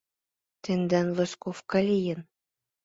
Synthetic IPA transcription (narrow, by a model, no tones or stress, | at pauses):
t̪ʲend̪ænvɤ̆skofkɑlʲijɘ̆n